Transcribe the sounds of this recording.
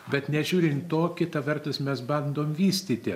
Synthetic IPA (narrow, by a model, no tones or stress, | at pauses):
bʲɛt̪nʲɛʒʲuːɾʲɪnt̪oːkʲɪt̪ɐʋʲɛrt̪ʊsmʲɛsbɐnd̪oːmʋʲiːsʲt̪ʲiːt̪ʲɪ